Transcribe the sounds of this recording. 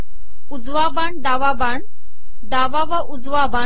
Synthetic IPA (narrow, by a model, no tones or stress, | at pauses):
ud͡zʋabaɳd̪aʋabaɳ | d̪aʋaʋaʔud͡zʋaba